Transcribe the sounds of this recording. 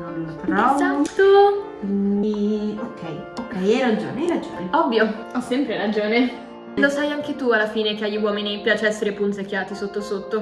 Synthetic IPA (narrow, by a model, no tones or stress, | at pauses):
nonlot̪ɾɔvat̪o | iokʰːɛj | okːɛjɛɾad͡ʒo̰ːneɛɾad͡ʒoːneɔvːjo | ɔsːɛmpɾeɾad͡ʒoːne | losajaŋk̟et̪ualːafiːnek̟eaʎːiwɔːminipjaːt͡ʃeɛsːeɾepunsekːjaːt̪isot̪ːosot̪ːo